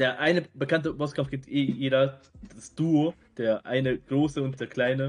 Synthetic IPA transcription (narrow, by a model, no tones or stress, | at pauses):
d̥eːɐʔaɪnəbəkantəbɔskʰamfɡ̥ɛntʰeːeːdɐd̥asd̥uo | d̥eːɐʔa̰ɪnəɡ̥ʁoːsəʊnt̚d̥eːɐkʰl̥aɪnə